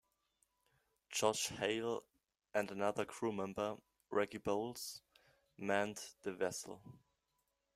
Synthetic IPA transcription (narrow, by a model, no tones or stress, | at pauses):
d͡ʒɔd͡ʒheɪl | ʔɨ̃ndənaðə˞kʰɹ̥umɛ̃mbə˞ | ɹʔɛɡiboʊlˠz̥ | mæ̃ntðɨvɛsl̩ˠ